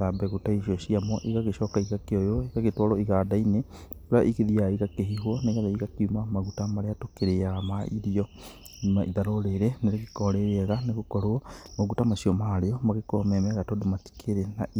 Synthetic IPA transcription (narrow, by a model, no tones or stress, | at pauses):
abɛɣutaiɕiɔɕiamɔʔiɣaɣeɕɔkaiɣakeɔjoeɣaɣetwɔɾɔiɣaːdaine | ɾaʔikeðiaiɣakeɦiɦwɔneɣaðeiɣakiumamaɣutamaɾeatokeɾeaɣamaiɾiɔ | maʔiðaɾoɾeɾɛneɾekekɔɾeɾeɛɣaneɣokɔɾomaɣutamaɕiɔmaɾeɔmaɣekɔmɛmɛɣatodomati̥kʰeɾena